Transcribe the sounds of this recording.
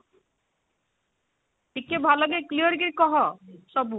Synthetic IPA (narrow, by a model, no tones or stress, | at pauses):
ʈikːebʱaloɡeklijoɾɡiɾkɔɦɔʃɔbu